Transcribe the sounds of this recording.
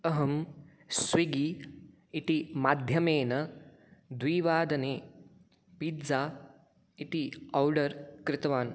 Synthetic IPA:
ɐɦɐm | sʋiɡiː | it̪imaːd̪ʱjɐmeːnɐ | d̪ʋiːʋaːd̪ɐneː | pid͡za | it̪iɔwɖɐɾkɾɪt̪ɐʋaːn

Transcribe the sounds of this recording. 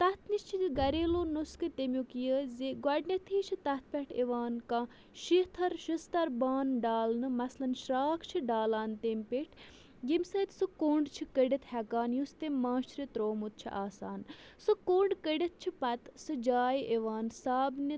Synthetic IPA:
t̪ɐt̪ʰnist͡ʃʰiɡɐɾeːloːnuskɨt̪emʲjukijəzeɡwɐɖnɐt̪ʰiːt͡ʃʰit̪ɐt̪̚ʰpʲeʈʰeʋaːnkã | ʃit̪ʰɐɾʃist̪ɐɾbaːnɖaːlnɨmɐslɐnʃɾaːkʰt͡ʃʰiɖaːlaːnt̪emʲpiʈʰ | ɡimsɐt̪sɨkoːɳɖt͡ʃʰikəɖit̪hɛkaːnjust̪emaːʃɾit̪ɾoːmut̪̚t͡ʃʰḭʔaːsaːn | sɨkoɳɖkəɖɐt̪̚ʰt͡ʃʰipɐt̪sɨd͡ʒaːjʔeʋaːnsaːbni

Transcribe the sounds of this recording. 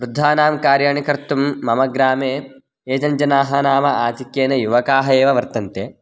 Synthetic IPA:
ʋɾud̪ʱːaːnaːmkaːɾjaːɳikɐɾt̪umːɐmɐɡɾaːmeː | eːd͡ʒɐɲd͡ʒɐnaːɦɐnaːmɐaːt̪ikjeːnɐjuʋɐkaːɦɐeːʋɐʋɐɾt̪ɐnt̪eː

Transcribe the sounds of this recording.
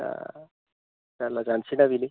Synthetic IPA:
a̰ | t̪alad͡zansinaʋili

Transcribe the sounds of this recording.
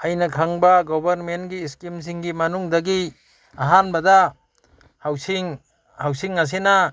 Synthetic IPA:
ɐjnɐkʰaŋbaɡɔbɐɾmenɡiːskims̬iŋɡimɐnuŋdɐɡi | aɦanbɐda | hawsiŋ | hawsiŋːas̬ena

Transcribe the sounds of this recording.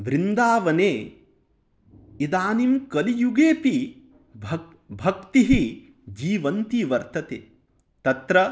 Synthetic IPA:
ʋɾind̪aːʋɐneː | id̪aːnimkɐlijuɡeːpi | bʱɐ | bʱɐk̚t̪iɦi | d͡ʒiːʋɐnt̪iʋɐɾt̪ɐt̪ḛː | t̪ɐt̪ɾɐ

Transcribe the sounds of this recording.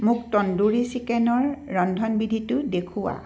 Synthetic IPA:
mʊktɔnduɹisikɛnɔɹːɔndʱɔnbidʱitʊdekʰuwa̰

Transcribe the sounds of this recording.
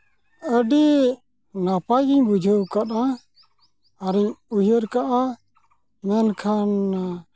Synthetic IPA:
əɖi | napajd͡ʒiɲbud͡ʒʱəwkaɗa | ɾiɲujəɾkaʔa | mɛnkʰan

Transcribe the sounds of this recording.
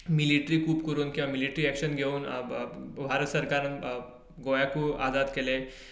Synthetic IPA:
miliʈɾikuːpkəɾuːnkĩw̃ʋamiliʈɾiɛkɕənɡʱeuːn | bʱaɾət̪səɾkaɾə̃n | ɡojakuːa̰d͡zad̪kele

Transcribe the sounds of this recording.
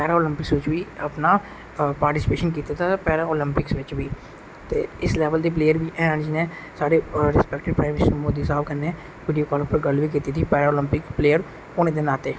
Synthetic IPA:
pɛːɾaːoːlɪmpɪksʋɪt͡ʃʋiːəpnaː | paːɾʈɪsɪ̥peːʃənkiːt̪aːt̪ʰaːpɛːɾaːoːlɪmpɪksʋɪt͡ʃʋiː | t̪ḛːɪslɛːʋəld̪iːp̬leːjəɾʋiːʔɛːə̃nd͡ʒɪnẽː | saːɽeːɾɪspɛːk̚ʈɪɾpɾaːmɪsəɾmoːd̪iːsaːbkənːeː | ʋiːɖijoːkɔːlʊpəɾɡəlʋiːk̬iːt̪iːt̪ʰiːpɛːɾaːoːlɪmpɪkpleːjəɾ | ʊnẽːd̪eːnaːt̪eː

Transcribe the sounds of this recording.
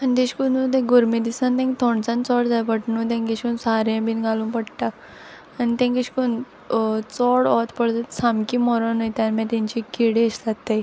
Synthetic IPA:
anit̪ẽɕkunut̪ɛ̃ɡuɾmed̪isãnt̪ɛ̃ŋkt̪ʰoɳt͡sãnt͡sɔɽd͡zajpəʈɳũt̪̬ẽŋkeɕkunsaɾẽbiːnɡalũːpəɽʈaː | nit̪ẽŋkeɕi̥kun | t͡sɔɽɔt̪pəɭt̪at̪samkimɔɾɔnəjt̪anmat̪ãɲt͡ɕikiɽeəɕt̪at̪ːaj

